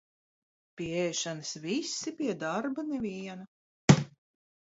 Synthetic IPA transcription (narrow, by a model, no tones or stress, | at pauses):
pʲiɛɛjʃanɨsvisːipʲiɛd̪aɾbanɛvʲiɛnɐ